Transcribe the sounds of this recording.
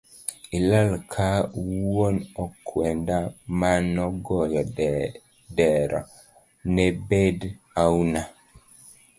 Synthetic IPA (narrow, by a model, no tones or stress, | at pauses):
ilalkʰawwwonɔkʰwɛndamanɔɡɔjɔ | dɛɾɔ̰ | nɛbed | auna